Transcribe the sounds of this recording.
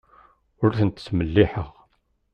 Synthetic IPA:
ʊɾθənt̪ə̥sməlːiħəʁ

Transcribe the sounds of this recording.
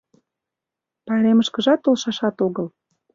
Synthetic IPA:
pɑleməʃkəʒɑt̪ːolʃɑʃɑt̪oɣəl

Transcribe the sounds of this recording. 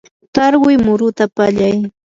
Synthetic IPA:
t̪aɾɢʊjmʊɾʊt̪apaʎaj

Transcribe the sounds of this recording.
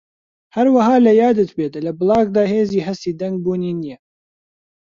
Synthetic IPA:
hɐɾwɐɦɑːlɐjɑːd̪ɨt̪bet̪lɐbɨlɑːɡd̪aːheːziːɦɐst̪iːd̪ɐŋɡ̚buːniːnijɛ

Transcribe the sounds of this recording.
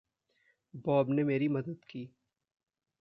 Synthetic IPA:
bɔːbnemeːɾimɐd̪əd̪kiː

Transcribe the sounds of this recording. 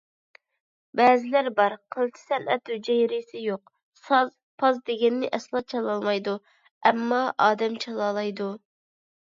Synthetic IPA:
bɛːzɪlæɾbɑɾqʰəlˠt͡ʃ̪ʰɪ̥sɛnʔɛ̰t̪hyd͡ʒɛjɾisɪjoq | sɑz | pʰɑzd̪ɪɡʲɛnːɪʔɛslˠɑt͡ʃʰɑlˠɑlˠmɑjd̪u | ɛmːɑʔɑːd̪ɛmt͡ʃʰɑlˠɑlˠɑjd̪u

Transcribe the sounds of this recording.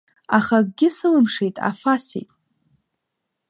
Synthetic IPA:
aχaɡ̚ʼɡʲɪsɨlɨmʂejtʼa̰fasḭtʼ

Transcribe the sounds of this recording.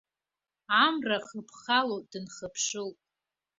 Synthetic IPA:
amraχəpʰχalod̥ɨnχəpʰʂɨltʼ

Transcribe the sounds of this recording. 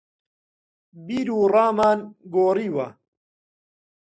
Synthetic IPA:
biːɾuːrɑːmaːnɡoːriːwɐ

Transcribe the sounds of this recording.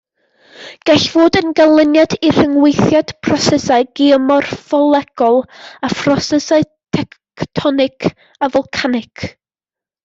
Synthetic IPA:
ɡ̥ɛɬvoːdənɡalˠənjadir̥əŋwejθjad̥pʰrɔsɛsaɨɡ̥iəmɔrfɔlˠɛɡ̥ɔlˠafrɔsəsaɨ | tʰɛkktʰɔnɪkʰ | avɔlˠkʰanɪkʰ

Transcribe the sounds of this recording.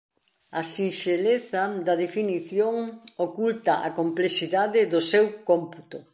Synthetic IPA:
ɐsinʃeleθɐd̪ɐðefiniθjoŋokult̪ɐʔa̰komplesiðaðɪðʊsewkomput̪ʊ

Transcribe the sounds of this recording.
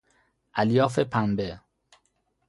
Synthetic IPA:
ʔæljɒːfepʰæmbe

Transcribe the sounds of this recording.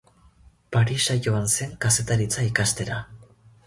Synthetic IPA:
paɾisaʝo̞anse̞ŋkase̞t̪aɾit͡saikast̪e̞ɾa

